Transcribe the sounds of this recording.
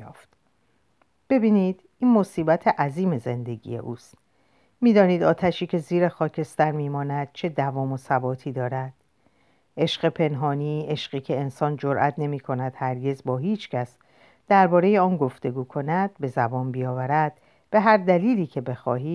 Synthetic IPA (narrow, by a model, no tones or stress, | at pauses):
ft̪ | b̥e̞biːniːd̪̥ | iːnmo̞siːbæt̪ʰeʔæziːme̞ze̞nd̪e̞ɟḭːje̞̰ʔuːst̪ | miːd̪ɒːniːd̪ɒːt̪ʰæʃiːcʰe̞ziːɾexɒːcʰe̞st̪æɾmiːmɒːnæd̪̥̚t͡ʃʰe̞d̪ævɒːmo̞sæbɒːt̪ʰiːd̪ɒːɾæd̪̥ | ʔe̞ʃɢe̞pʰe̞nɦɒːniːe̞ʃɢiːcʰe̞ensɒːnd͡ʒoɾʔæt̪ʰne̞miːkʰo̞næd̪̥hæɾɟe̞zbɒːɦiːt͡ʃʰcʰæs | d̪̥æɾbɒːɾe̞je̞ɒːnɡo̞ft̪e̞ɡuːkʰo̞næd̪̥̚be̞zæbɒːnbijɒːvæɾæd̪̥ | b̥e̞ɦæɾd̪æliːliːcʰe̞be̞xɒ̰ːɦiː